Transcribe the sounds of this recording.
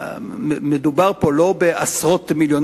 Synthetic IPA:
med̪ubaʁpo̞lo̞beʔasʁot̪miljon

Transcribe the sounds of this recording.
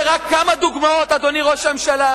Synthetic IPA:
ʁakʰːamad̪uɡmao̞t̪ad̪o̞niʁo̞ʃaemʃala

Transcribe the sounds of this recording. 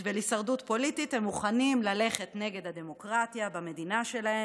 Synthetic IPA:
velisaʁdut̪po̞lit̪ithemːuχanimlale̞χe̞tne̞ɡe̞d̪had̪e̞mo̞kʁat̪jabame̞d̪inaʃe̞lae

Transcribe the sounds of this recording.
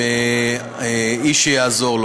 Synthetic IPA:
e | iʃejazo̞ʁl

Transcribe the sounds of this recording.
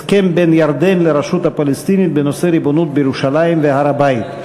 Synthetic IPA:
skembenjaɾd̪e̞nleɾaʃut̪hapalest̪init̪̚beno̞seɾibo̞nut̪̚bejeʁuʃalajimvehaɾabajit̪

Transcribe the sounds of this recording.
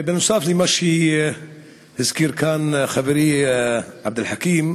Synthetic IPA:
bɪnʊsˤɑːflimaʃi | hɪzkiːɾkaːnxabɾi | ʕab̚d̪ɪlħakiːm

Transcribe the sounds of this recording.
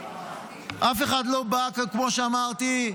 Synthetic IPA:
ʔafeχad̪lo̞bakakmo̞ʃeamaʁt̪i

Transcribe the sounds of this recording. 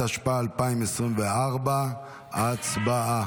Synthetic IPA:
aʃpaalpaɪmɛsʁimvɛaʁba | at͡sbaa

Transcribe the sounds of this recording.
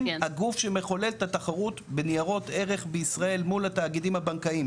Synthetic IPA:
mhaɡufʃe̞me̞χo̞le̞lt̪at̪aχaʁutbenijaʁo̞t̪e̞ʁeχbeisʁae̞lmulataːɡidimhabankaim

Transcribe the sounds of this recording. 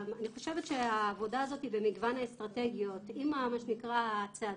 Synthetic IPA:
maniχo̞ʃevet̪ʃeaːvo̞daːzo̞t̪ibe̞miɡvanaest̪ʁateɡijo̞t̪imamaʃenikʁat͡se

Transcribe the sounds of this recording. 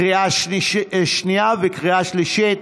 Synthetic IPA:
ʁiaʃ | ʃniavekʁiaʃliʃit̪̚

